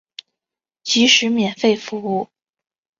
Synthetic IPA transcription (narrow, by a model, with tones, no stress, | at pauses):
t͡ɕi˧˥ʂɻ̩˧˥mjɛ˨˩nfe˥˩ɪfu˧˥u˥˩